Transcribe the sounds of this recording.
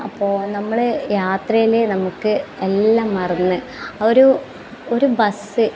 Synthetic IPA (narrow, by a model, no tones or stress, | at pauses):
ɐpːo̞ːnɐmːɐɭɨjaːt̪rɐjilenɐmukːɨe̞lːaːmːɐrɐnːɨ | oɾu | o̞ɾubɐsɨ